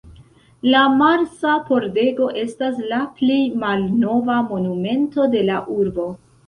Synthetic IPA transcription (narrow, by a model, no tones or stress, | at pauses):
lamaɾsapo̞ɾde̞ɡo̞ʔe̞stas̬laplejmalno̞vamo̞nume̞nto̞de̞laʔuɾbo̞